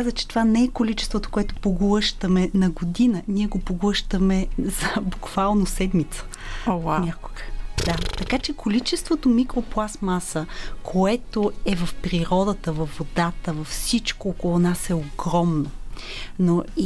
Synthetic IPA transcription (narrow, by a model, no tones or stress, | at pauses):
kazət͡ʃɛ̥t̪ovanɛɛkolit͡ʃɛ̥st̪vot̪o̥koɛt̪o̥poɡlˠɤʃt̪əmɛnɐɡod̪inəniɛɡopoɡlˠɤʃt̪əmɛz̥ɐbukv̥alˠnosɛd̪mit̪sə̥ | oaɲʲako̥ɡ̥əd̪at̪ɐkat͡ʃɛkolit͡ʃɛst̪vot̪omikɾoplˠasmasəkʰoɛt̪oɛvɐfpɾiɾɔd̪ət̪əvɐfːod̪at̪əvɐfsit͡ʃkoɔkolˠonasɛoɡɾɔmnonoi